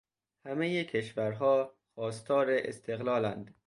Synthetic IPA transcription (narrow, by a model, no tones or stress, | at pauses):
hæmejekʰe̞ʃvæɾɦɒː | xɒːst̪ʰɒːɾeʔest̪ʰe̞ɣlɒːlænd̪̥